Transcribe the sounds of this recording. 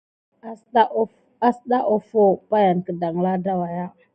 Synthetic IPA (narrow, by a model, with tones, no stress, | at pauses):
a˦sɗa˦ʔo˦fo˦pa˦ja˨nkə˨da˨ŋla˦da˦wa˨ja˦